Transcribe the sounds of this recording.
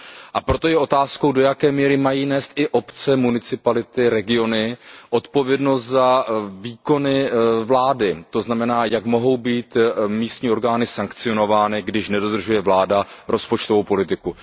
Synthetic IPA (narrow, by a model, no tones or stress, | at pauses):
ʔapɾo̞t̪o̞jɛʔo̞t̪aːsko̞wdo̞jakɛːmiːɾɪmajiːnɛːst̪ʔɪʔo̞pt͡sɛmunɪt͡sɪpalɪt̪ɪɾɛɡɪo̞nɪʔo̞t̪po̞vjɛdno̞st̪zaviːko̞nɪvlaːdɪt̪o̞znamɛnaːjakmo̞ɦo̞wbiːt̪miːst̪ɲiːo̞ɾɡaːnɪsaŋkt͡sɪo̞no̞vaːnɪɡdɪʃnɛdo̞d̪r̩ʒujɛvlaːdaɾo̞spo̞t͡ʃt̪ovowpo̞lɪt̪ɪku